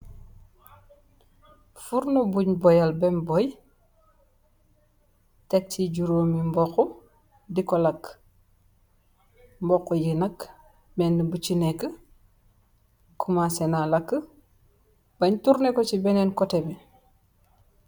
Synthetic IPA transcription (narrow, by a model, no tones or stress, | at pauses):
fuɾnobuɲbɔjalbɛmbɔj | tek̚tːiɟuɾoːmimbɔkɔ | dikɔlak | mbɔkːojənɐk | mɛnːəbut͡ʃinekːə | kʰumasɛnalakːə | baɲtuɾnekɔt͡ʃibɛnɛnkɔtebɛ